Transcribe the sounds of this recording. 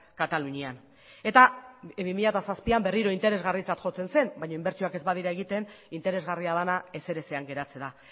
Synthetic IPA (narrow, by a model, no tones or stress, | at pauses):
kat̪aluɲian | e̞t̪aβimiʎat̪asaspiamberiɾo̞int̪e̞ɾe̞zɣarit͡sat̪ʝo̞t͡se̞nse̞nbajɲoimbe̞ɾt͡ʃioake̞zβaðiɾae̞ɣit̪e̞nint̪e̞ɾe̞zɣariaðanae̞se̞ɾe̞se̞aŋɡe̞ɾat͡se̞ða